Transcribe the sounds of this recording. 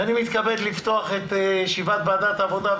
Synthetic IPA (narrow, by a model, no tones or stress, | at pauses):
animit̪kabed̪lift̪o̞aχet̪jʃivat̪̚bad̪at̪avod̪a